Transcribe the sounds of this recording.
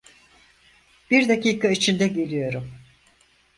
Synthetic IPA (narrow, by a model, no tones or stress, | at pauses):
b̥iɾd̪aciːkʰait͡ʃʰind̪ɛɟe̞lʲijo̞ɾum